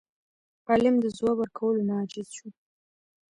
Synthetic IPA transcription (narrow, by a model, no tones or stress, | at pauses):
ɑlɪmd̪əzwawəɾkʰawəlonɑd͡ʒɪz̥ʃu